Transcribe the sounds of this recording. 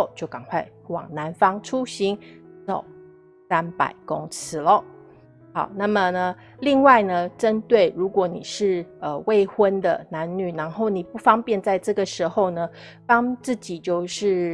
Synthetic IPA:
ʊt͡ɕjo˥˩ʊkɑ˨˩ŋkʰwa˥˩ɪ | wɑ̰˨˩ŋna˧˦˥nfɑ˥ŋʈ͡ʂʰu˥ɕi˧˥nt͡so̰˨˩ʊ | sa˥npa̰˨˩ɪkʊ˥ŋt͡sʰɹ̩˧˥lə˨ | xɑ˨˩˦ʊna˥˩mə˨˩nə˩ | li˥˧ŋwa˥˩ɪnə˩ʈ͡ʂə˦nt̪we˥˩ɪɻu˧˥kwɔ˧˥nḭ˨˩ʂɻ̩˥˩ə˧we˥˩ɪxwə˦nd̪ə˨na˧˥nny˨˩na˧˥nxo˥˩ʊni˨˩pu˥˩fɑ˥ŋpjɛ˥˧nt͡sa˥˧ɪʈ͡ʂɤ˥˩ɡə˩ʂɻ̩˧˥xo˥˧ʊnə˩ | t̪ɑ˥ŋt͡sɹ̩˥˩t͡ɕi˨˩t͡ɕjo˥˧ʊʂɻ̩˥˩

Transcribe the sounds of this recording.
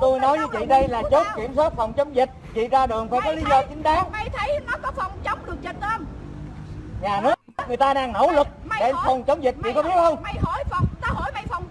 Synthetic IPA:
t̪u˧jnɔ˨˦jvɨː˨˦t͡ɕḭ˧˨ɗə˧jlaː˨˩t͡ɕo˦˥t̚ki˧˩əmswaː˦˥t̚fa˨˩wŋ͡mt͡ɕə˨˦wŋ͡mzï˨˩k̟̚t͡ɕḭ˧˨zaː˧ɗɨ˨˩əŋfaː˧˩jkɔ˨˦li˨˦zɔ˧t͡ɕï˨˦ŋ̟ɗaː˨˦ŋ˧t̪ʰə˨˦jnɔ˨˦kɔ˨˦fa˨˩wŋ͡mt͡ɕə˨˦wŋ͡mɗɨ˨˩ək̚t͡ɕə˧˨˩nt̪ə˧m | ɲaː˨˩nɨ˦˥ə˥t̚ŋɨ˨˩jt̪aː˧ɗaː˧ŋno̰˧˩wlɨ˨˩k̚ɗe˧˩nfə˨˩wŋ͡mt͡ɕə˨˦wŋ͡mzi˨˩k̚t͡ɕḭ˧˨kɔ˨˦ɓi˦˥ət̚hə˧wŋ͡mho˧˩jfwŋ͡mt̪aː˧ɦo˧˩jma˧˨jfɔ˨˩wŋ͡m

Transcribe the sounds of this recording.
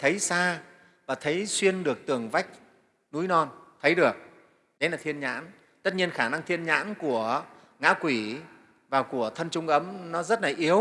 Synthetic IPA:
t̪ʰə˨˦jsaː˧ | vaː˨˩t̪ʰə˨˦jswi˧ənɗɨ˨˩ək̚t̪ɨ˨˩əŋva˦˥jk̟̚ | nṵ˨˦jnɔ˧nt̪ʰə˨˦jɗɨ˨˩ək̚ | ɗə˨˦jlaː˨˩t̪ʰi˧ənɲa̰ː˧˥n | t̪ə˦˥t̚ɲi˧ənxaː˧˩na˧ŋt̪ʰi˧ənɲa̰ː˧˥nku˧˩ə | ŋa̰ː˧˥kwi˧˩ | vaː˨˩wku˧˩ət̪ʰə˧nt͡ɕʊ˧ŋ͡mʔə˨˦mnɔ˨˦zə˦˥t̚laː˨˩ʔi˨˦əw

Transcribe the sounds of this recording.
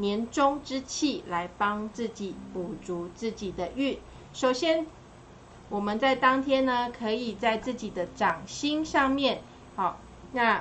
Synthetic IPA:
njɛ˧˥nʈ͡ʂo˦ŋʈ͡ʂɻ̩˦t͡ɕʰi˥˩la˧˦˥ɪpɑ˦ŋt͡s̩˥˩t͡ɕi˨˩pu˨˩t͡su˧˦t͡sɹ̩˥˩t͡ɕi˨˩d̪ə˦ʔy˥˩ | ʂo˨˩ʊɕjɛ˥n | wɔ˨˩mə˨˦nt͡sa˥˩ɪt̪ɑ˥ŋt̪ʰjɛ˥nnə˨kʰɤ˧˦i˨˩t͡sa˥˧ɪt͡sɹ̩˥˩t͡ɕi˨˩d̪ə˦ʈ͡ʂɑ˨˩ŋɕi˥ŋʂɑ˥˧ŋmjɛ˥˨n | hɑ˨˩ | na˥˧

